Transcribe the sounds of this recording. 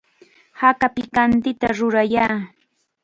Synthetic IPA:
hakapɪkant̪ɪt̪aɾʊɾajaː

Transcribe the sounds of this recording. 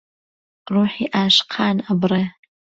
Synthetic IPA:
ruːħiːʔaːʃqʰaːnabre

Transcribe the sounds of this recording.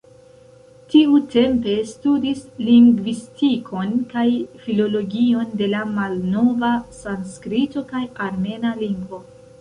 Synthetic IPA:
tiute̞mpe̞studisliŋɡvistikʰo̞nkajfilo̞lo̞ɡio̞nde̞lamalno̞vasanskɾito̞kajaɾme̞naliŋɡvo̞

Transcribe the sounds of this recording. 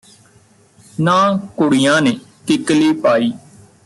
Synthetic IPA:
nãːkʊɽiːjãːneːkɪkliːpaːiː

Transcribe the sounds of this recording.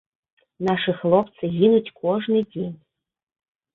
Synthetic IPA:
naʂɨxlˠɔpt̪sɨɣʲinut͡sʲkʰɔʐnɨd͡zʲenʲ

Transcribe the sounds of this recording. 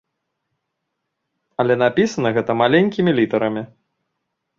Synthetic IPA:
ɐlʲɛnapʲisɐnɐɣɛt̪ɐmalʲenʲkʲimʲilʲit̪ɐɾɐmʲi

